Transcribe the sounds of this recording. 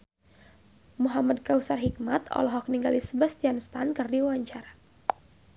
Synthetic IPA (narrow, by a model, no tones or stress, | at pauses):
muɦamad̚kausarɦik̚mat̪ɔ̰lɔɦɔk̚niŋɡalisəbast̪ianst̪ankɨrdiwwaɲt͡ʃaɾa